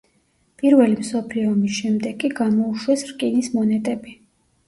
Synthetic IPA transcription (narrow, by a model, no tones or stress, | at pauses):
pʼiɾvɛlimsɔpʰliɔmisʃɛmd̪ɛɡʼiɡamɔuʃwɛsɾkʼinismɔnɛt̪ʼɛbi